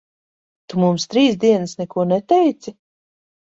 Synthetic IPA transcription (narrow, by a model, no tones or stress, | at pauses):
t̪umumst̪ɾiːsd̪iɛnasnɛkuɔnɛt̪ɛjt̪si